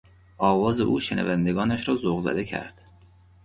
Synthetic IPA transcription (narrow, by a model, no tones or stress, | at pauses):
ʔɒːvɒːzeʔuːʃenʔæ̰vænd̪e̞ɡɒːnæʃɾɒːzoɣzæ̰d̪e̞cʰæ̰ɾd̪̥